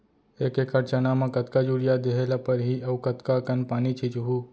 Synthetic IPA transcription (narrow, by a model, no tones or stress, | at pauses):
ekekəɾt͡ʃənamekət̪kad͡ʒuɾijad̪eɦelapəɾɦiəukət̪kakənpaːnit͡ʃʰit͡ʃuɦu